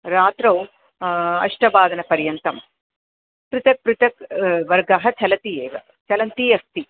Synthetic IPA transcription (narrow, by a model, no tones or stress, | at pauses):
ɾaːt̪ɾɐw | ɐ̰ʂʈɐbaːd̪ɐnɐpɐɾjɐnt̪ɐm | pɾɪt̪ɐk̚pɾɪt̪ɐkʋɐɾɡɐɦɐt͡ʃɐlɐt̪ieːʋɐ | t͡ʃɐlɐnt̪iːjɐst̪i